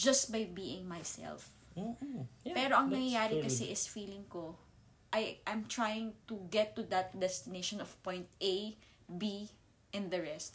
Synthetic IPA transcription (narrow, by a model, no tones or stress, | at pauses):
d͡ʒɐst̪̚bajbiːɪ̃ŋmajsɛ̰lf | pɛːɾo̞ʔɐŋnɐŋɐjaːɾɛkɐsɛʔɪsfiːlɪ̃ŋko | ʔajʔɐjmt̪ɹajɪ̃ŋt̪uɡɛt̪ːud̪ɐt̪̚d̪ɛst̪ɪneʃɔnɔfpɔ̃jnt̪̚ʔej | bi | ʔɛ̃nd̪ɐɹɛst̪̚